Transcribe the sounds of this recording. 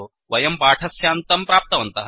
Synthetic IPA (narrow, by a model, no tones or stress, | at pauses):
ʋɐjɐmpaːʈʰɐsjaːnt̪ɐmpɾaːp̚t̪ɐʋɐnt̪ɐɦ